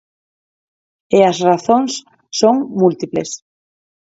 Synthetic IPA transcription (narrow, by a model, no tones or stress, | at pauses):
eazraθõnsː | oŋmult̪iples